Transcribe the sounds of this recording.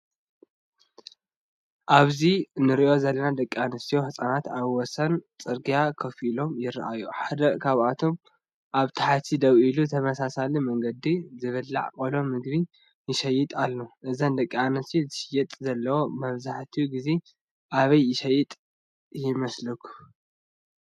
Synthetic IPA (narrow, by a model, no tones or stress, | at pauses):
ʔaβzinɨɾiʔo̞zɐlːɐnad̪ɐkʼːianɐsijohɨsʼanat̪aβwɔsɐnt͡sʼɨɾɡijakʰɐfilo̞mjɪɾːa̰ʔajuħad̪ɐkʰaβat̪ʰo̞m | ʔaβt̪ʰḁħat̪ʰid̪ɐβʔiluɨt̪ʰɐmɐsasalimɐŋɡɐd̪izɨβɨlːa̰ʕkʼolo̞mːɨɡ̚βi | jɪʃɐjɪt̪ʼalːoʔɨzɐnd̪ɐkʼːianɐst̪ijozɨʃɪjɛt̪ʼzɐlːɐwo̞mɐβzaħt̪ʰijuɡize̞ | ʔaβɐjːɪʃɐjːɪt̪ʼ | jɪmɐslɨkʰːu̥